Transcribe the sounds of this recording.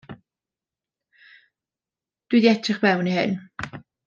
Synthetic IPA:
d̥wiðiɛtʰrɨχvɛwnihɪ̰n

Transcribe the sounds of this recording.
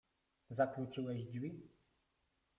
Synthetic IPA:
zakɾut͡ʂɘwɛʑdvʲi

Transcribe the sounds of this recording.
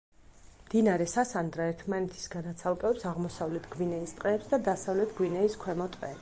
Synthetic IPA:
md̪inaɾɛsasand̪ɾaɛɾt̪ʰmanɛt̪ʰi̥sɡad̪at̪sʰalˠkʼɛɛpsaʁmɔsavlɛt̪ʰɡ̥winɛist̪ʼqʼɛːpsd̪ad̪asavlɛt̪ʰɡwinɛiskʰwɛmɔt̪ʼqʼɛː

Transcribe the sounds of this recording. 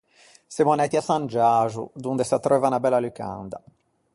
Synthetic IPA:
sɛmɔnɛt̪iasand͡ʒaːʒṵd̪und̪ɛsat̪ɾɛvanabɛlːalyka̰nd̪a

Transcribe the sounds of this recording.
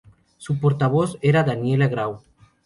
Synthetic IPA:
supoɾt̪aβoseɾaðanjelaɣɾaw

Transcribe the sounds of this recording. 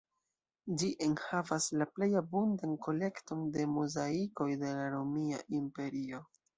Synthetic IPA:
d͡ʒiʔe̞nhavaslaple̞jabundanko̞le̞kto̞nde̞muzaiko̞jde̞laɾomia̰ʔimpe̞ɾio̞

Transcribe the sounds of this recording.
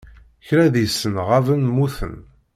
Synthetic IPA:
çɾæðisːənʁavənmuθə̰n

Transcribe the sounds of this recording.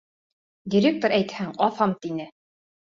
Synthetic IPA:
d̪ʲiɾʲek̚t̪oɾæjt̪hæŋɑθɑmt̪inɘ

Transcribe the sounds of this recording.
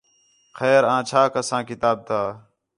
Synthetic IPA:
xɛːɾãːt͡ʃʰaːkəsãːkɪt̪aːb̚t̪ʰaː

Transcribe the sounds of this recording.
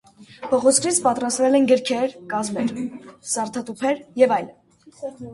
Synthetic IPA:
pʰɔʁɔt͡sʰkʰɾit͡sʰpɑt̪rɑst̪vɛlɛnɡəɾkʰɛɾkɑzmɛɾsɑɾt̪ʰɑt̪upʰɛɾjɛvɑjl

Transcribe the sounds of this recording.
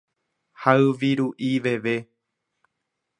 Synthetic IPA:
haɨʋiɾuʔiʋe̞ʋe̞

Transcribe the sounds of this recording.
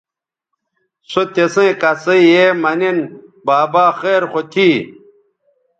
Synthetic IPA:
sot̪esẽːkaseiemɐninbaːbaːxeːɾxot̪ʰiː

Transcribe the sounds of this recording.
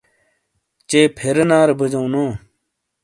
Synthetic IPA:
t͡ɕeːpʰeɾnaːɾbəd͡ʑõːnõː

